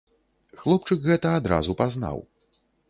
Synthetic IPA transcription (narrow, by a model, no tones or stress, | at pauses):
xlˠɔp̚t͡ʂɨkɣɛt̪ɐad̪ɾa̰zupazna̰w